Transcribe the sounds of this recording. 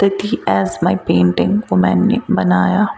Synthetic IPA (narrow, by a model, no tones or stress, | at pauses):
t̪ɐt̪iɛzmaːɪpẽːɳʈɪ̃ŋɡkomɛ̰̃ːnḛbɐnaːja